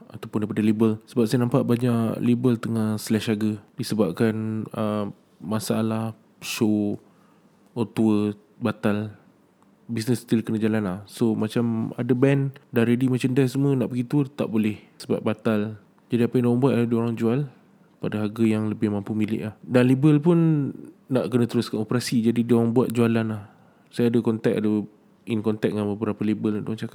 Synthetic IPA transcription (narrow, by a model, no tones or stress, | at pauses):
at̪awpʊndajpadəlibəlsəbap̚sajanãmpaʔbaɲaʔlibəlt̪əŋahslɛʃaɡədisəbap̚kanə | masaʔalah | so | ot̪uə | bat̪al | bis̬nəst̪ilkənad͡ʒalanlahsomat͡ʃama̰dəbɛndanɾedimat͡ʃandɛsəmənaʔbəɡit̪uət̪a̰ʔbolɛh | səba̰p̚bat̪al | d͡ʒadiapajndawaŋbuat̪̚ladioɾaŋd͡ʒual | padaɦaɡəjaŋləbɪhmãmpumilɪ̰ʔlahdanlibəlpʊnː | aʔkənə̃t̪əɾʊskanopəɾasid͡ʒadidioɾaŋbuat̪̚d͡ʒualanlah | sajaːdəkɔnt̪ɛk̚adə | inkɔnt̪ɛk̚ŋanbəbəɾapəlebəlduaŋt͡ʃakaʔ